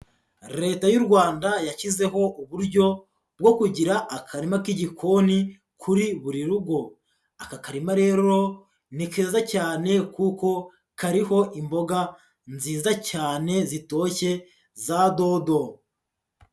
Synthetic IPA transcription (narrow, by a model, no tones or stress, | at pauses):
ɾe̞ːtajuɾɡwaːndajacize̞ɦo̞ʔuβuɾɟo̞ | bɡo̞kuɟiɾaʔːkʰaɾimakiɟikʰo̞ni | kʰuɾiβuɾiɾuɡo̞ | akakaɾimaɾe̞ːɾo̞ | nike̞ːzacaːne̞kuko̞ | kaɾiho̞ʔimbo̞ɡa | nziːzacaːne̞zito̞ːce̞ | zado̞do̞